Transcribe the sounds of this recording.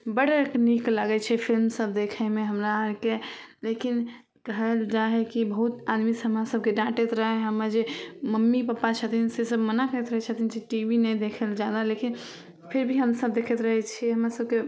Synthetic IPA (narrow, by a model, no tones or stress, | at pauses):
bəɽəɾkniklaɡɛt͡ʃʰɛpʰilmsəbd̪ekʰəɪmeɦəmɾaːɾkelekin | kəɦɛld͡ʒaɦɛkibəɦut̪ad̪misɦəmɾasəb̚ʱkeɖãʈet̪ɾəɦɛɦəmad͡ʒeməmːipəpːat͡ʃʰət̪ʰinsesəbmənakəɛt̪ɾəɦɛt͡ʃʰət̪ʰind͡ʒeʈibinɛjd̪ekʰɛld͡ʒad̪alekin | pʰiɾbʱiɦəmsəb̚d̪ekʰɛt̪ɾəɦɛt͡ʃʰiɦəmɾasəbke